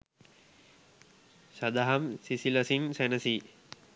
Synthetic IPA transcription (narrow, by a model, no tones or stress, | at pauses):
sad̪aɦamsisiləsinsænəsi